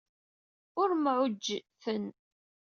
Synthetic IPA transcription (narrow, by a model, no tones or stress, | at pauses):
ʊɾmʕʊd͡ʒːfən